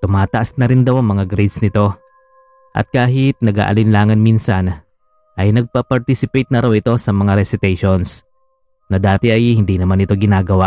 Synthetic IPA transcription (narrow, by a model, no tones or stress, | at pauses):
t̪ʊmaːt̪ɐʔasnɐɾɪnd̪ɐwɐŋmɐŋaɡɾed̪snɪt̪o̞ | ʔɐ̰t̪̚kaːɦɪt̪̚nɐɡa̰ːʔɐ̰lɪnlaːŋɐnminsɐn | ʔɐjnɐɡ̚pɐpɐɾt̪isɪpɛjt̪̚nɐɾawɪt̪o̞sɐmɐŋaɾɛsɪt̪ɛjʃo̞ns | nɐd̪aːt̪ɛʔɐjhɪnd̪inɐmanɪt̪o̞ɡɪnaːɡɐwa